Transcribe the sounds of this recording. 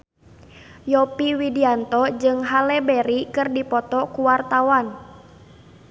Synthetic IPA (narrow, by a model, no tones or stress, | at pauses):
jɔpiwidiant̪ɔd͡ʒɨŋɦalɛbɛɾikɨrdipɔt̪ɔkuwart̪awan